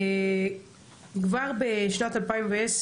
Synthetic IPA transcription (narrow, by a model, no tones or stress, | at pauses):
ɡvaʁbɪʃnatalpaɪɪmvaɛs